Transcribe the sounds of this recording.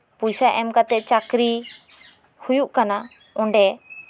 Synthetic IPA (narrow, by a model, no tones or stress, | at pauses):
pujsaʔɛmkat̪ɛt͡ʃakɾi | hujuʔkana | ɔ̃ɳɖɛ